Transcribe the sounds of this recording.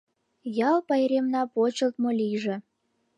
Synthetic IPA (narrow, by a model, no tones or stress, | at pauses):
jɑlpɑjɾʲemnɑpot͡ɕə̆lt̪moliʒĕ